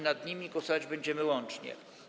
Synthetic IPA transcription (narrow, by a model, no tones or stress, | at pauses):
nad̪ɲimʲiɡwɔsɔvad͡ʑbɛɲd͡ʑɛmɘwɔnt͡ʂɲɛ̰